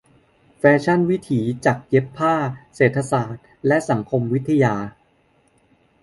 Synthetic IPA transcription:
fɛː˦˧˥t͡ɕʰa˥˩nwi˦˥t̪ʰiː˩˦t͡ɕa˨˩k̚je˦˥pʰːaː˥˩seː˨˩t̪ʰːa˧saː˨˩t̪̚lɛ˦˥ʔsa˩˦ŋkʰo˧mwi˦˥t̪ʰːa˧jaː˧

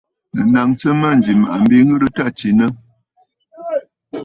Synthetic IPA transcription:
nə˨na˨ŋt͡sə˦ma˦˨n̩˨d͡ʒi˨ma̰˨ʔa˨m̩˦bi˦ŋ̩˦ɡə˦ɾə˦ta˦˨t͡ʃi˨nə˦

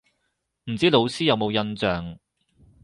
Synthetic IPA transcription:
m̩˨˩t͡siː˨˥lo˨˧wsiː˥jɐ˨˧wmo˨˧wjɐ˧nt͡sœː˨ŋ

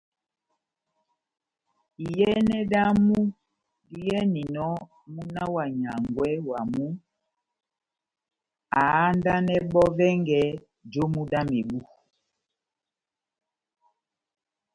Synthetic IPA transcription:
i˨jɛ˦nɛ˦da˦mu˦ | di˦jɛ˦ni˨nɔ˦ | mu˦na˦wa˨ɲa˨ŋɡwɛ˦wa˨mu˦ | a˨a˦nda˦nɛ˦ɓɔ˦vɛ˦ŋɡɛ˦ | d͡ʒo˦mu˦da˦me˨ɓu˦

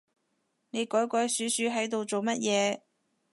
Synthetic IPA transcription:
ne˨˧jkɔː˨˥jkɔː˨˥jsyː˨˥syː˨˥ɦɐ˨˥jt̪o˨wt͡so˨wmɐ˥t̚jɛː˨˧

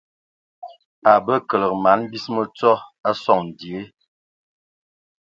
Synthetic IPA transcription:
a˨bə˦kə˨lə˨k̚ma˨˦n˦bi˦smə˨t͡sɔ˦a˦sɔ˦˨ŋn̩˨di˨e˦

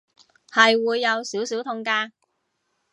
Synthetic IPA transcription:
hɐ˨jwuː˨˧jːɐ˨˧wsiː˨˥wsi˨˥wt̪ʰʊ˧ŋkaː˧

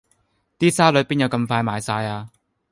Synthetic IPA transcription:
t̪iː˥saː˥lɵ˨˥piː˥njɐ˨˧wkɐ˧mfaː˧jmaː˨˩jsaː˧jaː˧

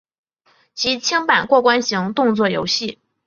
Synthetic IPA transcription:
t͡ɕʰi˧˥t͡ɕʰi˥ŋpa˨˩nkwɔ˥˩kwa˥nɕi˧˥ŋt̪ʊ˥˧ŋt͡swɔ˥˩jo̰˧˥ʊɕi˥˩

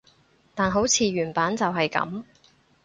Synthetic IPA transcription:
t̪aː˨nɦo˨˥wt͡sʰiː˨˧ɥyː˨˩npaː˨˥nt͡sɐ˨wɦɐ˨jkɐ̰˨˥m

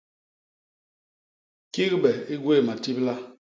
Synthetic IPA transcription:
ki˦kbɛ˨i˦ɡwe˦˨ma˨ti˦pla˦

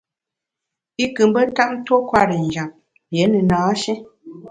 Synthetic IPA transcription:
i˦kɨ˨m˦bə˦ta˦ʔn̩˦to˦kwa˦ɾə˨n˨d͡ʒa˨p̚ | je˨˦nə˨naː˨˦ʃɛ˦

